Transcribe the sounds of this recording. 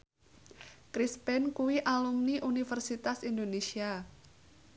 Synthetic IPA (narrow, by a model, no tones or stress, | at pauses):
kɾispɛnkuwiʔalumniʔunifərsit̪asindonesia